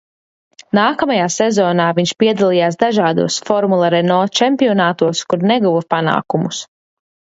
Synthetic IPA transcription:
naːkamajaːsɛzɔːnaːviɲʃpiɛd̪alˠijaːsd̪aʒaːd̪ṵɔsfɔɾmulˠaɾɛnɔːt͡ʃɛmpiɔnaːt̪uɔskuɾnɛɡuvɐpana̰ːkumus

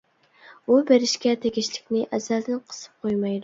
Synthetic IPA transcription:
ubeɾɪʃkʲɛt̪ʰeɡʲiʃlɪkʲnɪʔɛzæld̪ɪnqʰə̥sɨ̥p̚qʰojmɑjd̪u

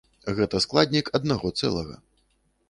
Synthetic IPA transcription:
ɣɛt̪ɐsklˠad̪ʲnʲikɐd̪naɣɔt̪sɛ̰lˠɐ̰ɣɐ̰

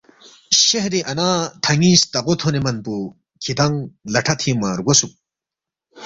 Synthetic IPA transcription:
ɕeɦɾiʔɐnaːt̪ʰɐŋiːst̪ɐʁot̪ʰonemɐnpu | kʰit̪ʰɐŋlɐʈʰɐt̪ʰimaɾɡosuk̚

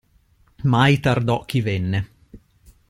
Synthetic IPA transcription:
majt̪ard̪ɔk̟ːivenːe

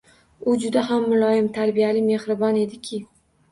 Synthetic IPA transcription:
ʊd͡ʒʊd̪aɦamːʊlˠɒjɪmt̪ʰaɾbijalɪme̞hɾɪbɒne̞d̪ɪkʲʰɪ

